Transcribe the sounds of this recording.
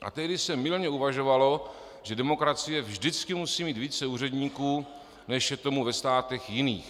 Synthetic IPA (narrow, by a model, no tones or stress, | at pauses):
ʔa̰t̪ɛɦdɪsɛmɪlɲɛuvaʒo̞valo̞ | ʒ̥ɛdɛmo̞kɾat͡sɪjɛvʒdɪt͡skɪmusiːmiːt̪viːt͡sɛuːrɛdɲiːkuː | nɛʃjɛt̪o̞muvɛst̪aːt̪ɛxjɪniːx